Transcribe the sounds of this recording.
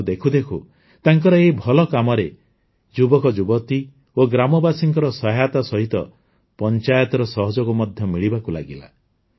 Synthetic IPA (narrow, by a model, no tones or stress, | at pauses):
d̪ekʰud̪ekʰu | t̪aŋkɔɾɔeɦibʱɔlɔkamɔɾe | d͡ʒubɔkɔd͡ʒubɔt̪i | oɡɾamɔbasiŋkɔɾɔsɔɦajat̪ɔsɔɦit̪ɔ̰ | pɔnt͡ʃajɔt̪ɔɾɔsɔɦɔd͡ʒɔkumɔd̪ʱjɔmiɭibakula̰ɡila̰